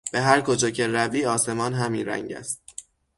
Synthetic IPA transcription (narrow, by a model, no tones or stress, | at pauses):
b̥e̞ɦæɾkʰod͡ʒɒːcʰe̞ɾæviːɒːse̞mɒːnɦæmiːnɾæ̰ŋɟæ̰st̪̚